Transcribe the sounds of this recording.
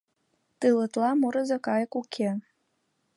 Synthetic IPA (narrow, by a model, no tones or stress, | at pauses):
t̪ɯlə̆t̪lɑmuɾə̆zə̆kɑjəkukʰe